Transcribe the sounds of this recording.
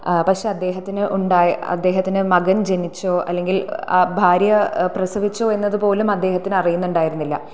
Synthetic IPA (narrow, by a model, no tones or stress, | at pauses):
pɐkʂe̞ːɐd̪ːe̞ːɦɐt̪ːinɨʔuɳɖaːjɐ̰d̪ːe̞ːɦɐt̪ːinɨmɐɡɐnd͡ʑe̞nit͡ɕːo̞ːʔɐ̰lːe̞ŋɡilaːbʱaːɾjɐprɐsɐʋit͡ɕːo̞ːe̞nːɐðɨpo̞ːlumɐd̪ːe̞ːhɐt̪ːinɨɐrijunːuɳɖaːjiɾunːilːɐ̰